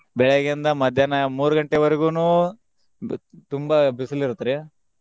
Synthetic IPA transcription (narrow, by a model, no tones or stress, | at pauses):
bɛɭeɡind̪ɐmɐd̪ʱjaːnɐmuːɾuɡɐɳʈeʋɐɾeɡuːnuː | t̪umbɐbisɐliɾut̪ːɐɾe